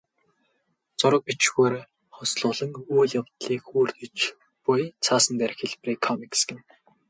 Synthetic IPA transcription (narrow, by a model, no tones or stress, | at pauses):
t͡sʊɾə̆k̚pit͡ɕɣuːɾ | χɔsɮʊːɮə̆ŋuːɮjawt̪ɮiːkuːrt̪ɘ̆t͡ɕ | pʊjt͡sʰaːsə̆nt̪æɾɪ̆xeɮpriːkʰːɔmiksɡʲɪ̆m